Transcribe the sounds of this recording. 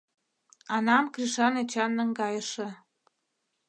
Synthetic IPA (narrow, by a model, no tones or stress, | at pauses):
ɑnɑmkriʃɑnet͡ɕɑnːə̆ŋɡɑjəʃɤ̆